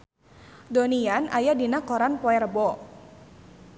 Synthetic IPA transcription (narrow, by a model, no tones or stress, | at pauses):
dɔnianʔajadinakɔɾanpɔɛrbɔ